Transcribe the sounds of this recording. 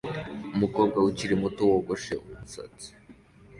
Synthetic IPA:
umukobɡauciɾimutowoɡoʃḛʔumusa̰t͡si̥

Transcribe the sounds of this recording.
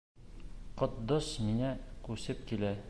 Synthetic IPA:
qŏt̪̚d̪oʃmiŋækʉsɘp̚kilæ

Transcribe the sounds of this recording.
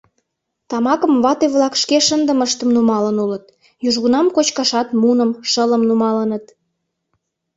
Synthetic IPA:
t̪ɑmɑkəmβɑt̪eβlɑkʃkeʃənd̪əməʃt̪əmnumɑlənulət̪̚ | juʒɣunɑmkot͡ɕkɑʃɑt̪munəmʃələmnumɑlənət̪

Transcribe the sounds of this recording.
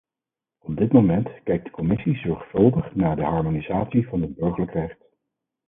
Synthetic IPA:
ɔbdɪtmomɛntkɛjk̚d̥ə̥kɔmɪsizɔɹχfɵlˠdəχnaːɹdəɦɑɹmonizaːtsivɑnənbɵɹχələkrɛχt

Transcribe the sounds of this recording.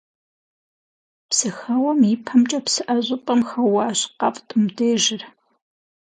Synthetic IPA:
psɨxɐwɔmipʰɐmt͡ʃʼɐpsɨʔɐʑʷʼɨpʼɐmxɐwɑːɕqɐpʼtʰɨmdeːʒɪr

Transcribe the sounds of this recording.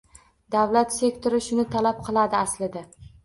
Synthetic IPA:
d̪awlat̪se̞kt̪ʰoɾɪʃʊnɪt̪ʰalap̚qʰɨlˠad̪ɪaslɪd̪a

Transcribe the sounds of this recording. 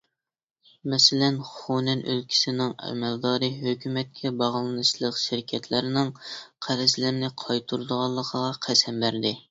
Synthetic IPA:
mɛsɪlɛnχonɛnølkʲʰi̥sɪnɪŋɛ̰mɛld̪ɑːɾɨɦøkʲʰymɛt̪̚kʲʰɛbɑʁlˠɨnɨʃlˠəqʃɪɾɪkʲʰɛt̪ʰlæɾɪnɪŋqʰæɾɪzlɪɾnɪqʰɑjt̪ʰuɾd̪əʁɑlˠːəqʰəʁɑqʰɛsɛmbæɾd̪ɪ

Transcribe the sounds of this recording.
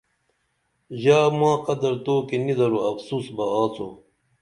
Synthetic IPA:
ʑaːmãːqɐd̪ɐɾt̪oːkinid̪ɐɾuɐfsuːsbɐaːt͡sʰo̰ː

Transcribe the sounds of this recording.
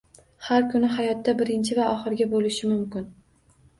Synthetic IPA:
haɾkʰʊnɪɦajɒt̪ːabɪɾɪnt͡ʃʰɪvaʔɒχɪɾɡʲabolɪʃɪmʊmkʲɪn

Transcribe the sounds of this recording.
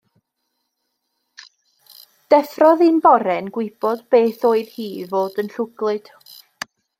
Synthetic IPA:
d̥ɛfrɔðinbɔɾɛnɡwɪb̥ɔdb̥eːθoːɨð̥hiːvoːdənɬʊɡlˠɨd̥

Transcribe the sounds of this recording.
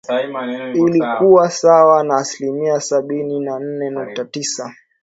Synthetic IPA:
ilikuwasawanaːsilimiasaɓininan̩nɛnuk̚tatisa

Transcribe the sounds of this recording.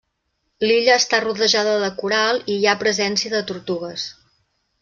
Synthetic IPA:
liʎəːst̪aruðəʒaðəðəkuɾalˠiiapɾəzɛnsiəðət̪uɾt̪uɣ̞əs

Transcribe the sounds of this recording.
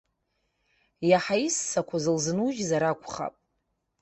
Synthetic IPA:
jaħaisːakʷʰazɨlzɨnuʒzaɾakʷʰʼχa̰pʼ

